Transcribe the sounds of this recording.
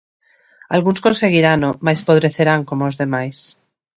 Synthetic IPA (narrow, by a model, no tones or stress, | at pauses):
alɣunskõnse̞ɣ̞iɾanomajspoβɾe̞θeɾaŋkomoozðe̞majs